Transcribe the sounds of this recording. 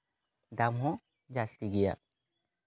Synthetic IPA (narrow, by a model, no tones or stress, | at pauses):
d̪amɦɔ̃ | d͡ʒast̪iɡɛja̰